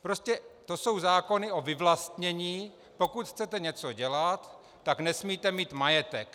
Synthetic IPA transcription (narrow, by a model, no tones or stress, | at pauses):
pɾo̞scɛt̪o̞so̞wzaːko̞nɪʔo̞vɪvlast̪ɲɛɲiː | po̞kut̪xt͡sɛt̪ɛɲɛt͡so̞ɟɛlat̪ː | aknɛsmiːt̪ɛmiːt̪majɛt̪ɛk